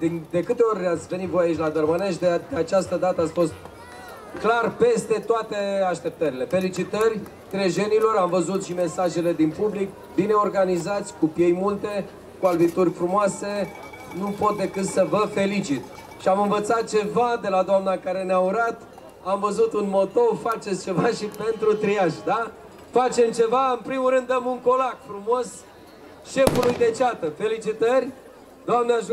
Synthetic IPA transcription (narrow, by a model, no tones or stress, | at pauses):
d̪ind̪e̞kɨt̪e̞o̞rʲleat̪sʲvenit̪vo̞jait͡ʃlad̪ərməneʃd̪ed̪eat͡ʃast̪əd̪at̪əat̪sʲfo̞st̪̚ | klarpe̞st̪e̞t̪oat̪e̞aʃt̪e̞p̚t̪əɾile̞fe̞lit͡ʃit̪ərʲ | t̪ɾeʒe̞nilo̞ɾamvəzut̪ʃime̞saʒe̞le̞d̪inpublik | bine̞o̞rɡanizat̪sʲkupje̞jmult̪e̞ | kualvit̪urʲfɾumoase̞ | nupot̪̚d̪e̞kɨt̪səvəfe̞lit͡ʃit̪ | ʃiamɨnvət̪sat̪̚t͡ʃe̞vad̪e̞lad̪oamnakaɾe̞neauɾat̪ | amvəzut̪unmo̞t̪o̞fat͡ʃet̪st͡ʃe̞vaʃipe̞nt̪ɾut̪ɾijaʃd̪a | fat͡ʃe̞mt͡ʃe̞vaɨnpɾimulɾɨnd̪əmuŋko̞lakfɾumo̞s | ʃe̞fulujd̪e̞t͡ʃat̪əfe̞lit͡ʃit̪ərʲ | d̪oamneaʒ